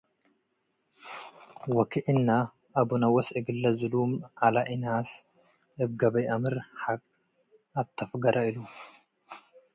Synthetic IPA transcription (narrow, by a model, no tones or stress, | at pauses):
wɐkʰiʔnːa | ʔɐbunɐwɐsɪɡɨlːɐzɨlumʔalɐʔɪnaːs | ʔɨb̚ɡɐbɐjʔɐmɨɾħakʼ | ɐt̪ʰːɐfɡɐɾɐilu